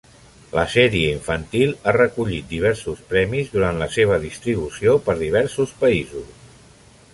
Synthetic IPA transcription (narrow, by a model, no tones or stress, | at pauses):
lə̰sɛɾiəiɱfənt̪ilˠarəkuʎit̪̚d̪iβ̞ɛɾsuspɾɛmizðuɾant̪ləseβ̞əðist̪ɾiβ̞usiopəɾðiβ̞ɛɾsuspəizus